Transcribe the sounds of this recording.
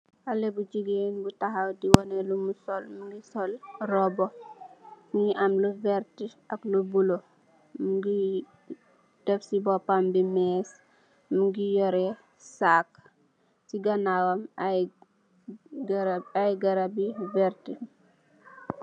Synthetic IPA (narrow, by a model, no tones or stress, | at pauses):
alebud͡ʒiɡenbutaɦawdiwɔnɛlumusɔlmuɡisɔlrɔbɔ | muŋiʔamluvɛɾtiaklubulo | muɡi | d̥ɛfsibɔpambimɛs | muɡijɔɾɛ | sak | siɡanawam | ajɡaɾabivɛɾti